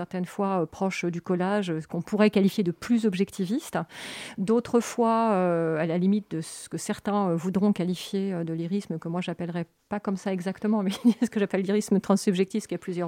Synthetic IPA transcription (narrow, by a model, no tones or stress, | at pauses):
sɛʁt̪ɛnfwaøpχɔʃd̪ykɔlaʒøkɔ̃puʁɛkalifjed̪əplyzɔbʒɛkt̪ʰivist̪d̪ot̪χəfwaøalalimit̪̚d̪əsə̥kəsɛʁt̪ɛ̃øvud̪ʁɔ̃kalifjeød̪əliʁisməkəmwaʒapɛlʁɛ | pakɔmsaɛɡzakt̪əmɑ̃mɛsə̥kəʒapɛlːiʁismət̪χɑ̃sːybʒɛkt̪ifkʲiaplyzjœʁ